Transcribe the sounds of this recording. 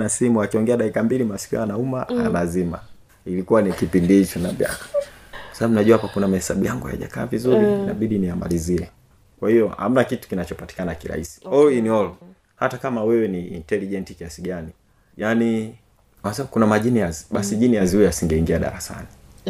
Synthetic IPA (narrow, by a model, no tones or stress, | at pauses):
nasimuakiɔŋɡɛaɗakikambilimasi̥kiaanaumaa̰lazima̰ | ilikuwanikipindihit͡ʃɔnavja̰kḁsaaɓumnaʄuahapakunamahɛsa̰ɓujaŋɡuha̰ja̰ʄa̰kaːvizuɾinaɓiɗinijama̰liziɛ | kwahijɔha̰m̩nakitu̥kinat͡ʃɔpati̥kanakiɾa̰isi̥ɔiniɔlɔ | hatakamawɛwɛniḭntɛliʄɛnti̥kiasiɡani | jani | asaukunamaʄinijaziɓasiʄinijaziujɛasiŋɡɛiŋɡiaɗa̰ɾasa̰ni